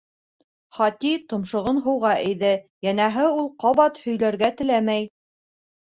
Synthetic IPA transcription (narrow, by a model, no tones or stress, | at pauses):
χɑt̪it̪ŏmʃŏʁɤnɦɤ̆wʁɑʔɘ̆jðɘjænæɦɘulˠqɑβɑt̪hɵ̆jlæɾɡæt̪ɘ̆læmæj